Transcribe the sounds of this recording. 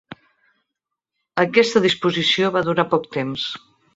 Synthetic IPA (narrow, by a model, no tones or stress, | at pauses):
əkɛst̪əðispuzisioβaðuɾapɔkt̪ems